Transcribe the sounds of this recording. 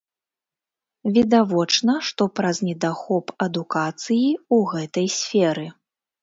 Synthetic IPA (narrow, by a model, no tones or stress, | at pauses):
vʲid̪avɔt͡ʂnɐʂt̪ɔpɾɐznʲɛd̪axɔpɐd̪ukat̪sɨjiuɣɛt̪ɐjsʲfʲɛɾɨ